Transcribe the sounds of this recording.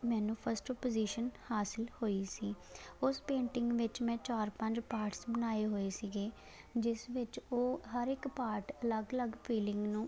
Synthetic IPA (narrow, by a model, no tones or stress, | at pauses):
mɛ̃ːnũːpʰəɾsʈɔpoziːʃənhaːsɪlhoːiːsiː | ʊspẽːɳʈɪŋɡʋɪt͡ʃmɛ̃ːt͡ʃaːɾpə̃ɲd͡ʒpaːɾʈsbənaːeːɦoːeːsiɡeː | d͡ʒɪsʋɪt͡ʃoːɦəɾɪkpaːɾʈələɡələɡpʰiːlɪ̃ŋɡnũː